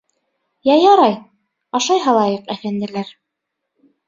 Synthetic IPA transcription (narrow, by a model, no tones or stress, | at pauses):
jɑjɑɾɑj | ɑʃɑjɦɑlˠɑjɤqæfænd̪ɘ̆læɾ